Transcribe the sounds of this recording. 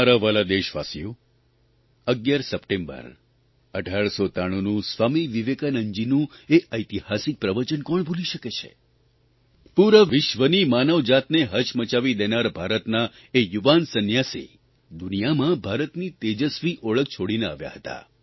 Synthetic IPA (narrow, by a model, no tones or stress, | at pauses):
aɾaʋalad̪eʃʋa̰sijo | əɡjaɾsəpʈẽmbə̰ɾ | əɖʱaɭsot̪aɽ̃onũsʋamiʋiʋekanəɲd͡ʒinũeʔəjt̪ihasik̚pɾəʋət͡ʃənkɔɳbʱuliʃəket͡ʃʰḛ | puɾəʋɪʃʋənimanəʋd͡ʒat̪neɦət͡ʃmət͡ʃaʋid̪enaɾbʱaɾət̪na | ejuʋansənjasḭ | d̪unijamãbʱaɾət̪nit̪ed͡ʒəsʋiʔoɭək̚t͡ʃʰoɽinea̰ʋja̰ɦət̪a̰